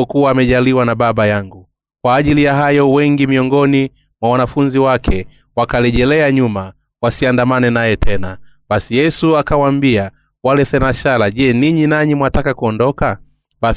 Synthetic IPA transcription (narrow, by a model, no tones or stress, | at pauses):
kuwaːmɛʄaliwanaɓaɓajaŋɡu | kwaːʄilijaɦajɔwɛŋɡimiɔŋɡɔni | mwawanafunziwakʰɛ | wakalɛʄɛlɛaɲuma | wasiandamanɛnajɛtʰɛna | ɓasijɛsuakawaːmbia | walɛθɛnaʃalaʄɛniɲinaɲimwatakakuɔndɔka | ɓa